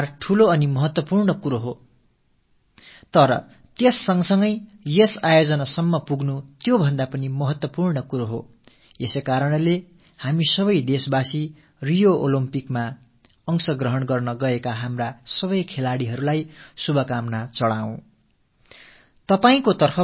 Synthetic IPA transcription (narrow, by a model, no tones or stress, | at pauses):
rʈʰuloʌnimʌɦʌt̪wʌpurɳʌkuɾoɦo | t̪ʌɾʌ̰ | t̪esːʌŋsʌŋɡʌjjesajod͡zʌnasʌmːʌpuɡnut̪jobʱʌnd̪apʌnimʌɦʌt̪wʌpurɳʌkuɾoɦo | esekaɾʌnle | hamisʌβʌjd̪esbasi | rijoʔolimpikma | ʌŋsʌɡrʌɦʌɳɡʌrnʌɡʌekaɦamrasʌβʌjkʰelaɽiɦʌɾulajsubʱʌkamnat͡sʌɽaw̃ | t̪ʌpaĩkot̪ʌrpʰʌ